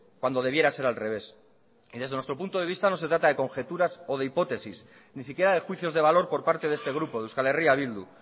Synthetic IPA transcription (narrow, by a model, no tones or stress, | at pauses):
kwand̪o̞ð̞e̞β̞je̞ɾase̞ɾalre̞βe̞s | iðe̞zðenwe̞st̪ɾo̞punt̪o̞ðe̞βist̪ano̞se̞t̪ɾat̪aðe̞ko̞ŋxe̞t̪uɾaso̞ð̞eipo̞t̪e̞sis | nisikje̞ɾaðe̞xwiθjo̞zðe̞β̞alo̞ɾpo̞ɾpaɾt̪e̞ðe̞st̪e̞ɣ̞ɾupo̞ðeuwskale̞riaβild̪ṵ